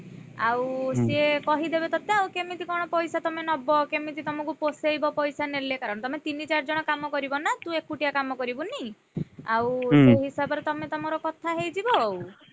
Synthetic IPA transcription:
a̰wsekɔɦid̪ebet̪ɔt̪eawkemit̪ikɔɽ̃ɔpɔjsat̪ɔmenɔbɔkemit̪̬it̪ɔmɔkuposejbɔpɔjsanelekaɾɔɽ̃ɔt̪ɔmet̪init͡ʃaɾd͡ʒɔɽ̃ɔkamɔkɔɾibɔnat̪ũekːuʈijakamɔkɔɾibuni | awseɦisabɔɾet̪ɔmet̪ɔmɔɾɔkɔt̪ʰaɦejd͡ʒibɔw

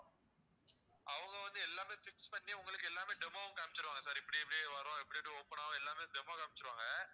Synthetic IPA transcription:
ʔɐʋɐŋɡɐʋɐnd̪ɯɛlːaːmeːfɪkspɐɳːiʊŋɡɐɭɯkːɯɛlːaːmeːɖɛmaːʋʊ̃kaːmɪt͡ʃːɪɾɯʋaːŋɡɐsaːɾɪpːɐɽiɛpːɐɽjeːʋɐɾõːɪpːɐɽɪʈːɯɔpːɐɳaːʋʊ̃ɛlːaːmeːɖɛmoːkaːmɪt͡ʃːɯɾɯʋaːŋɡɐ

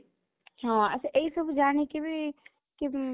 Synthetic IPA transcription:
ɦãɐsʔɐisɐbd͡ʒaːnekebʱi | ki

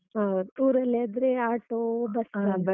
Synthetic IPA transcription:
ɦad̪uːɾɐlːiaːd̪ɾeaːʈobɐsa

